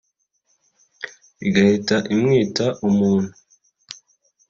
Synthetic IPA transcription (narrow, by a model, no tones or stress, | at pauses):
iɡahitaʔimŋiːtaʔumuːn̥u